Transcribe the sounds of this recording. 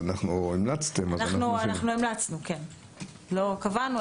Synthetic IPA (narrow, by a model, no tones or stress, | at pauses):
naχnuimlat͡st̪emaznannuanaχnuimlat͡snuken | lo̞kavanu